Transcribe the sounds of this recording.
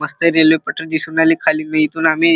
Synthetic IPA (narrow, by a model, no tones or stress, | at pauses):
əst̪əɾelʋepəʈəɾd͡ʑisuːnaliːkʰaliːməɦit̪uːnami